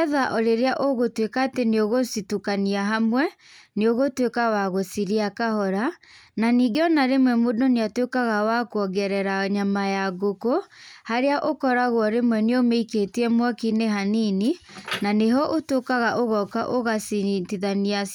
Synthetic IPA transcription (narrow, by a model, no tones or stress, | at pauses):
ðaʔɔɾeɾeaʔoɣotwekaːteneoɣositukaniaɦamwɛ | neoɣotwekawaɣosiɾiakahɔɾananiɡeɔnaɾemwɛmodɔneatwekaɣawakoɔɡɛɾɛɾaɲamajaɡokohaɾeaʔokɔɾaɣwɔɾemwɛneomeiketiɛmwakineɦanini | naneɦɔʔotokaɣaʔoɣɔkaʔoɣasitiðanias